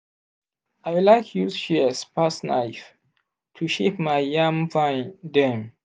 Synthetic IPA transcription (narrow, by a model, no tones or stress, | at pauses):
ajwlajkʰjusʃiəspasna̰jf | tʰuʃepmajjãmfãndɛ̃m